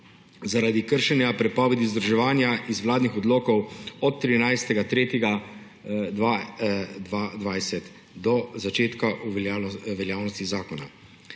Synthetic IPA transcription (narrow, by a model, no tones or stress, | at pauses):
zaɾad̪ikəɾʃɛnjapɾɛpɔːʋɛd̪izd̪ɾɔʒɛʋaːnjaizwlaːd̪nixɔd̪loːkɔwɔt̪ːɾinajst̪ɛɡat̪ɾeːt̪jɛɡa | a | ad̪ʋajsɛt̪ | d̪ɔzat͡ʃeːt̪kaʔuʋɛljaːwnɔst̪izaːkɔna̰